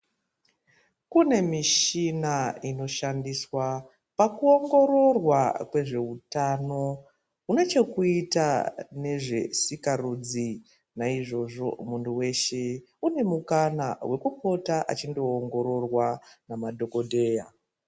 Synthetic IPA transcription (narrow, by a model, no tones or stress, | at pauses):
kune̞miʃinaino̞ʃandiswa | pakuo̞ŋɡo̞ɾo̞rwakwe̞ʐe̞utano̞ | une̞t͡ʃe̞kuitane̞ʐe̞̰sikarud͡zi | naiʐo̞ʐo̞̰muntuwe̞ʃe̞ | une̞mukanawʔe̞kuko̞taʔa̰t͡ʃindo̞ːŋɡo̞ɾo̞rwanamadʱo̞ko̞dʱe̞ja